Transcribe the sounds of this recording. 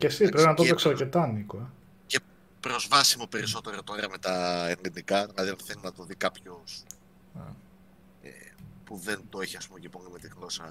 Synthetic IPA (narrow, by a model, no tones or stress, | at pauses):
cesipɾepinɐp̪ooksɐɾcet̪ɐnikoe | ce | pɾo̞zvɐsimo̞pe̞ɾiso̞t̪e̞ɾot̪oɾiɐmet̪ɐenlinikɐðilɐðiɐnθelinɐt̪o̞ðikɐpço̞s | nḛ | ḛpuðe̞nt̪oiçiɐspumceponime̞t̪iɣlo̞sɐ